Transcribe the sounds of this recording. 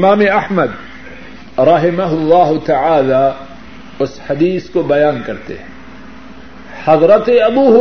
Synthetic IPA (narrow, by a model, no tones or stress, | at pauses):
ɪmaːmeɐhməd̪̚ | ɾɑɦɪmɐɦʊlːaːɦʊt̪ɐʕaːlaː | ʊsħɐd̪iːskobɐjaːnkɐɾt̪ḛɦɛ̃ | hɐzɾət̪eɐbuːɦʊ